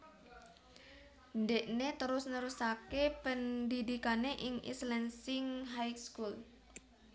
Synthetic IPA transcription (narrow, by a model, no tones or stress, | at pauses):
ndeʔnet̪əɾʊsnəɾusakepənd̪id̪ikaneʔɪŋḭslɛnsɪŋɦajkskul